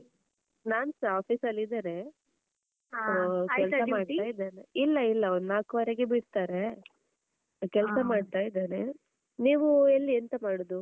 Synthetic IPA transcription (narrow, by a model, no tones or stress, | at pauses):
naːnsaːpʰiːsɐlːid̪ane | kːɛlɐmaːɖt̪aːjid̪aːneilːɐilːɐonnaːkʋɐɾeɡebiɽt̪aːɾe | kɛlsɐmaːɖt̪aːjid̪aːne | niːʋuelːient̪ɐmaːɽod̪u